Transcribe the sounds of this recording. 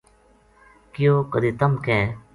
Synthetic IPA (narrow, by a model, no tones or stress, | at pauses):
kɪjoːkəd̪iːt̪ɐmkẽː